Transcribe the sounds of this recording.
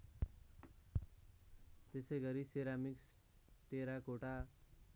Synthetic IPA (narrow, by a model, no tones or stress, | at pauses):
t̪esejɡʌɾiseɾamiks | ʈeɾakoʈa